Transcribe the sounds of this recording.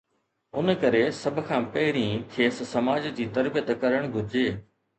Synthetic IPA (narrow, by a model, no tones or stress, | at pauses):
ʊnkɐɾesɐbʱkʰãːpɐɦɪɾĩːkʰeːssɐmaːd͡ʑd͡ʑiːt̪ɐɾbijət̪kɐɾəɽ̃ɡʱʊɾd͡ʑeː